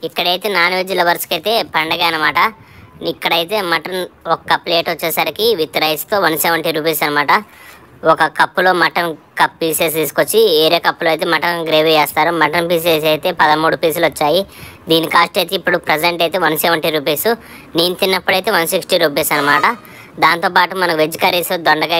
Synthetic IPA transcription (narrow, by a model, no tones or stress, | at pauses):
ikːɐɽɐjt̪e̞ːnaːnʋed͡ʒilɐʋɐɾskɐjt̪eːpɐɳɖɐɡaːɐnɐmaːʈɐ | ikːɐɽɐjt̪e̞ːmɐʈɐnɔkːɐple̞ːʈɐt͡ʃːeːsɐɾikiʋit̪ːɐɾɐjst̪o̞ːʋɐnseːʋɐɳʈiɾuːpeːsɐnːɐmaːʈɐ | ɔkɐkɐpːulo̞ːmɐʈɐnkɐpːiːseːs̬t̪iːsu̥kot͡ʃːieːɾe̞ːkɐpːuloɐjt̪eːmɐʈɐnɡɾeːʋiɛːst̪aːɾumɐʈɐnpiːs̬eːs̬ɐjt̪e̞ːpɐd̪ɐmuːɽupiːsilɔt͡ʃːaːjid̪iːnikaːsʈɐjt̪eːpːuɽupɾed͡ʒeɳʈɐjt̪eːʋɐnsɛːʋɐɳʈiɾuːpeːsu | niːnt̪inːɐpːuɽɐjt̪eːʋɐnsiksʈiɾuːp̬eːsɐnɐmaːʈɐ | d̪aːnt̪oːpaːʈumɐnɐkuʋed͡ʒikɐɾisod̪ɔɳɖɐɡa